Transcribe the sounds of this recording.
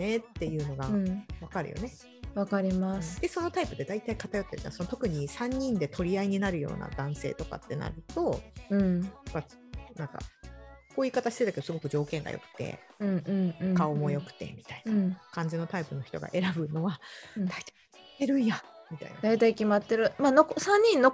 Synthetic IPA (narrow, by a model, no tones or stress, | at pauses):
ne̞t̪ːe̞jɯ̟ːno̞ɡaɯ̃βakaɾɯ̟jʔo̰ne̞ | βakaɾʲimasɨ̥d̪̥e̞so̞no̞t̪aipɯ̟d̪e̞d̪ait̪aikat̪ajo̞t̪ːe̞ɾɯ̟a̰aso̞not̪o̞kɯ̟ɲ̟isãɲ̟ːĩnd̪e̞t̪ʰo̞ɾʲiaiɲ̟inaɾɯ̟jo̞̰ːna̰d̪ãɰ̃se̞̰ːt̪o̞ka̰t̪ːe̞na̰ɾɯ̟t̪o̞ɯ̃ɴpːa | nãŋka̰koːiːkat̪aɕi̥t̪e̞t̪ake̞d̪sɨɡo̞kɯ̟d͡ʑo̞ːkẽ̞ŋɡa̰jo̞̰kɯ̟̥t̪e̞̰ | ɯ̟̃ɯ̟̃ɴ̃kao̞mo̞jo̞kɯ̟̥t̪e̞̰mʲit̪aiñkãɲ̟d͡ʑino̞t̪aipɯ̟no̞çi̥t̪o̞̰ɡa̰ʔe̞ɾabɯ̟no̞βad̥̪ai̥t̪a | t̪ːeɾɯ̟jamʲit̪a̰ḭnad̪ait̪aikʲimat̪ːeɾɯ̟maːnokosãɲ̟ːĩnːo